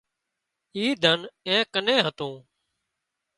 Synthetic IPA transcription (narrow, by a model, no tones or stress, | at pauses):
iːd̪ʱənɛ̃ːkənẽːɦət̪õː